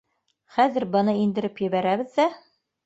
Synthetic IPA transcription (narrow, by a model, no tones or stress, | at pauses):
χæðɘɾbɤ̆nɤind̪ɘ̆ɾɘpjɘ̆βæɾæβɘðːæ